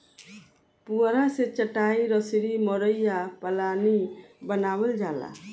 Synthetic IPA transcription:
puɾasɛt͡ʃəʈajɾɔsɾimɔɾəjapəlanibənabɛld͡ʒala̰

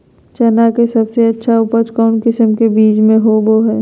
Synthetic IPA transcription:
t͡ʃɐnakesɐbseɐtːʃʰaʊpət͡ʃkɔːnkɪsəmkebiːt͡ʃmẽɦoʋoɦɛː

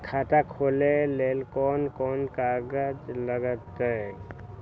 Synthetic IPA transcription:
kʰat̪akʰoːlelelkɔnkɔːnkaɡəd͡ʒləɡət̪e

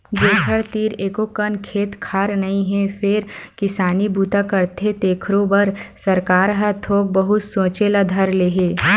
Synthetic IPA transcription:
d͡ʒeːɦəɾt̪iːɾeːkokənkʰeːt̪kʰaːɾnɐĩɦɛfɪɾkɪsaːnibʱuːt̪akəɾt̪ʰet̪eːkʰɾõbəɾsɐɾkaːɾɦət̪ʰoːk̚bəɦʊt̪sõːt͡ʃelad̪ʱɐɾleːɦeː

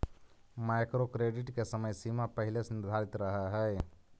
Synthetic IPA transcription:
maɪkɾokɾeːɖɪʈkesəməjsimapəɦɪlesnɪɾd̪ʱaɾɪt̪ɾəɦəɦɛː

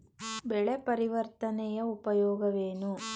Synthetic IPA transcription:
bɛɭepɐɾiʋɐɾt̪ɐnɛjɐupɐjɔːɡɐʋeːnu

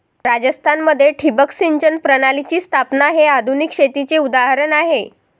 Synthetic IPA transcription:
ɾad͡zəst̪ʰanməd̪ʱːjeʈʰibəksiɲd͡ʑənpɾəɽ̃alit͡ɕiːst̪ʰapnaɦead̪ʱunikɕet̪it͡seud̪aɦaɾənaɦe

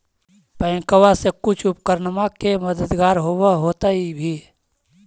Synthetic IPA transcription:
pɛ̃ːkəwasekʊt͡ʃʰʊp̚kəɾnəmakeməd̪əd̪ɡaːɾɦoːwaɦoːt̪aibʱiː

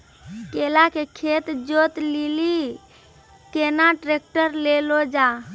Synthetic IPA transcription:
kelakekʰet̪d͡ʒot̪lili | kenaʈɾek̚ʈəɾlelod͡ʒa

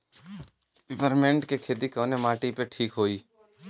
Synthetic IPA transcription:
pɪpəɾmẽɳʈkekʰeːd̪ikəːnemaːʈipeʈʰiːkɦoːiː

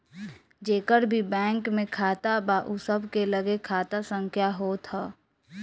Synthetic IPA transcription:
d͡ʒeːkəɾbʱibɛ̃ːŋkmẽkʰaːt̪abaʔusəbʱkeləɡekʰaːt̪asə̃ŋkʰjaɦoːt̪ʰaː

